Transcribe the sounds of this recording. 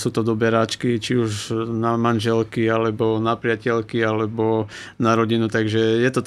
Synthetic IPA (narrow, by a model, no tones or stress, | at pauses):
suːt̪ɔd̪ɔbɛɾaːt͡ʃkit͡ʃiuʒnamanʒɛlkialɛbɔnapɾɪacɛlkialɛbɔ | naɾɔɟinut̪aɡʒɛjɛt̪ɔt̪